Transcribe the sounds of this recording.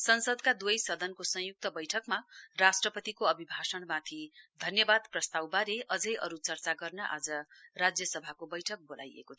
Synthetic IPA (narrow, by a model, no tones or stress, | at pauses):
sʌnsʌd̪kad̪ujsʌd̪ʱʌnkosʌ̃juk̚t̪ʌbʌjʈʰʌkmarasʈrʌpʌt̪ikoʌbʱibʱasʌɽmãt̪ʰid̪ʱʌnjʌbad̪prʌst̪awbaɾeʔʌd͡zʌjʔʌɾut͡sʌrt͡saɡʌrnʌʔa̰d͡zʌrad͡zjʌsʌbʱakobʌjʈʰʌk̚bolʔa̰jḛkot̪ʰ